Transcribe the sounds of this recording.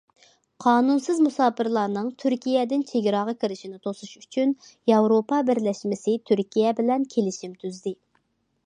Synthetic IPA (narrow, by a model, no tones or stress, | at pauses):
qʰɑːnunsɨzmusɑːpʰɨɾlˠɑɾnɨŋt̪ʰyɾkʲijɛd̪ɪnt͡ʃʰeɡʲɾɑʁɑkʲʰiɾɪʃinɪt̪ʰosuʃy̥t͡ʃʰynjɑwɾopɑbɪɾlɛʃmɪsɪt̪ʰyɾkʲʰijɛbɪlɛnkʲʰelɪʃimt̪ʰyzd̪ɪ